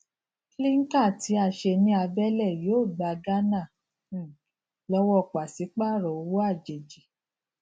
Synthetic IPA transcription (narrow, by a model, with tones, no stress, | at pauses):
li˦ŋ̩˦ka˦˨ti˨˦a˨ʃe˧nĩ˧˦a˧bɛ˦lɛ˦˨jo˨˦˨ɡ͡ba˨ɡa˦nã˦˨ | lɔ˦wɔ˦˨k͡pa˨si˨˦k͡pa˦˨ɾɔ˨o˨˧˦wo˦a˦˨d͡ʒe˨d͡ʒi˨